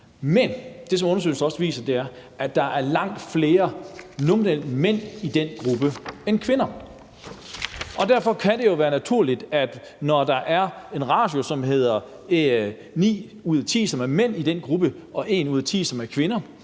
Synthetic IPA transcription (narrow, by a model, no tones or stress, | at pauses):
mend̥e̝s̬ɒ̽mɔ̽nɐs̬ø̰ɪl̩sɒ̽sʋḭːsɐd̥e̝æɐ | æd̥ɑ̈ʔæɐlɑ̈ŋ̰d̥fle̝ːɐnominel̰men̰id̥en̰ɡ̥ʁub̥əenkʰʋe̝nɐ | ɒ̽d̥æɐ̰fɒ̽kʰæd̥e̝jo̝ʋæːɐnæt͡sʰuɐ̰lid̥æd̥ | nɒd̥ɑ̈ʔæɐe̝nʁɑ̈ːd̥jo̝sɒ̽mɦe̝ð̰ˠɐ | nḭː | uð̰ˠɐt͡sʰḭːsɒ̽mæɐmen̰id̥enɡ̥ʁub̥əʔɒ̽ʔe̝ːnuːð̰ˠɐt͡sʰḭːsɒ̽mæɐkʰʋe̝nɐ